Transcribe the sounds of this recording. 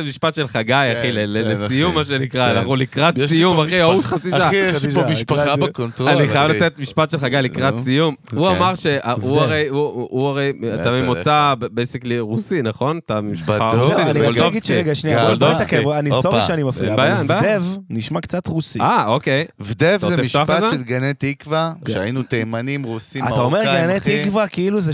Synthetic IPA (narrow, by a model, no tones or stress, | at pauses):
emiʃpat̪ʃe̞lχaɡajaχilelelesijummːaʃ̬enikʁaanaχnulikʁat̪sijumaχiautχat͡siʃaaʃʃomiʃpaχabkont̪aniχajavlat̪et̪miʃpatʃelχaɡajlikʁasijumuamaʁʃeʔauaʁejuuaʁejat̪amemot͡sabbejsikliʁusinaχo̞nat̪amiʃaausianiolovɡid̪ʃeʁeɡaʃniaɡold̪ot̪akeanisofiʃeanimafibajanbajadevniʃmakt͡sat̪ʁusiaokejvd̪evzemiʃuaχpazeʃelɡanet̪ikvakʃeajinut̪ejmanimʁusiat̪aomeʁɡanet̪ikvakiiluze